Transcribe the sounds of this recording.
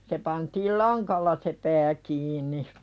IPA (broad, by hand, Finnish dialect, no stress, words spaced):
se pɑntiːl lɑŋkɑlːɑ se pæː kiːnˑi